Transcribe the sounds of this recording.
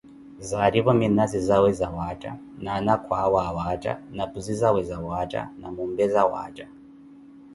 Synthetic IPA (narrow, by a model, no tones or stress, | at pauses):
zaɾiβɔminazizawɛzawat͡ʃʼa̰ | nanakʰwawawat͡ʃʼa̰napuzizawɛzawat͡ʃʼa̰namumbɛzawa̰ːt͡ʃʼa